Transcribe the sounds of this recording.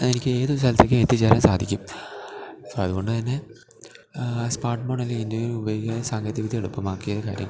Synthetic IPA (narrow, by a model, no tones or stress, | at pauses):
enikʲːɨe̞ːðusɐlt̪ːekʲːɨmet̪ːit͡ɕːaːɾɐmsaːd̪ʱikʲːum | soɐðuɣo̞ɳɖɨt̪ɐnːe̞ | spaːrʈmoːɳɐleindoubɐɣɐsaːŋɡɐt̪ːiʋid̪ʱieɽupːɐmaːkːijoɐka̰ːɾjɐ̰m